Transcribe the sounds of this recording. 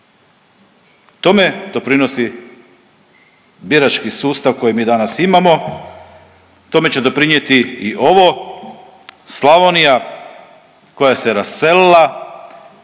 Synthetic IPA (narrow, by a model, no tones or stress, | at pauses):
t̪o̞me̞d̪o̞pɾino̞si | biɾat͡ʃkisuːst̪aʋko̞jimiːd̪anasimamo̞ | t̪o̞me̞t͡ɕe̞d̪o̞pɾiɲje̞t̪iiʔo̞ʋo̞ | slˠaʋonija | ko̞jaseɾasːe̞lila